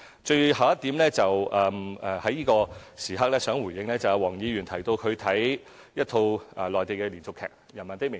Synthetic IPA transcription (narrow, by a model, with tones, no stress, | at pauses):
t͡ʃɵ˧ɥɦa˨wjɐ˥t̪iː˨˥mlɛː˥t͡sɐ˨wʔɐː˨ɛ˨hɐ˨˥jiː˥kɔː˧siː˨ɦa˥k̚lɛː˥sœː˨˥ŋwu˨˩jɪ˧ŋlɛː˥t͡sɐ˨wjɐ˨˧wɔː˨˩ŋjiː˨˧ɥyː˨˩nt̪ʰɐ˨˩jt̪o˧wkʰɵ˨˧ɥt̪ʰɐ˨˥j | jɐ˥t̪ʰo˧wɐː˨lɔː˨jt̪e˨jkɛː˧liː˨˩nt͡sʊ˨˧kʰɛ̰ː˨k̚jɐ˨˩nmɐ˨nt̪ɪ˥k̚mɪ˨